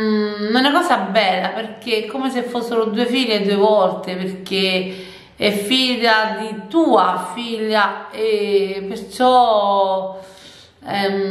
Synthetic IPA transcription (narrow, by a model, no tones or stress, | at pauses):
nunakɔːsabːɛlːaperk̟eɛkːomesefːosːeɾod̪uːefiʎːed̪uevɔlt̪eperk̟e | ɛfːiʎːad̪it̪uːafiʎːaepert͡ʃɔ | ɛ